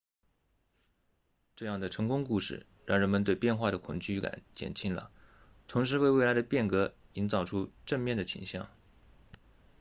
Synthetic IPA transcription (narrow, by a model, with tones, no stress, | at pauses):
ʈ͡ʂɤ˥˧jɑ˥˩ŋd̪ə˩ʈ͡ʂʰɤ˧˥ŋkʊ˥ŋku˥˧ʂɻ̩˥˩ | ɻɑ˥˩ŋɻə˧˥nmə˧nt̪we˥˧ɪpjɛ˥˧nxwa˥˩ɾə˩kʰʊ̰˨˩ŋt͡ɕy˥˩ka̰˨˩nt͡ɕjɛ̰˨˩nt͡ɕʰi˥nlə̰˩ | t̪ʰʊ˧˥ŋʂ̬ɻ̩˧˥we˥˧ɪwe˥˩ɪla˧˥d̪ə˧pjɛ˥˩nkɤ˧˥i˧˥nt͡sɑ˨˩ʊʈ͡ʂʰu˥ʈ͡ʂə˥˧ŋmjɛ˥˩nd̪ə˩t͡ɕʰḭ˨˩ŋɕjɑ̰˥˩ŋ